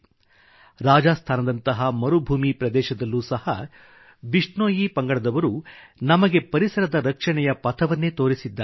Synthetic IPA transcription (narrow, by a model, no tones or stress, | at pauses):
ɾaːd͡ʒaːst̪ʰaːnɐd̪ɐnt̪ɐɦɐmɐɾubʱuːmipɾɐd̪ɛːʃɐd̪ɐlːuːsɐhɐ | biʂɳoːjipɐŋɡɐɭɐd̪ɐʋɐɾunɐmɐɡe̞pɐɾisɐɾɐd̪ɐɾɐkʂɐɳɛjɐpɐt̪ʰɐʋɐnːe̞ːt̪o̞ːɾisid̪ːa